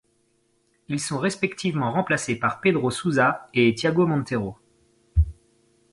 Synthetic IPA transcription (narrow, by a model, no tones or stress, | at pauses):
ilsɔ̃ʁespɛkt̪ʰivmɑ̃ʁɑ̃plasepaʁped̪ʁosuzaet̪jaɡomɑ̃t̪eʁo